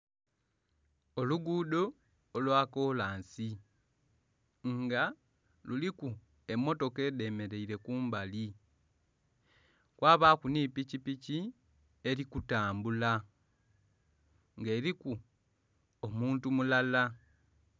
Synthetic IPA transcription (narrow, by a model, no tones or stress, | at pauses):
o̞luɡuːdo̞ː | lwaːko̞ːlaːnsi | ŋɡa | luliku | e̞mːo̞to̞ke̞ːde̞me̞ɾe̞iɾe̞kuːmbali | kwaːβaːkuniːpicipici | e̞likutaːmbula | ŋɡe̞ːɾiku | omuːntumulala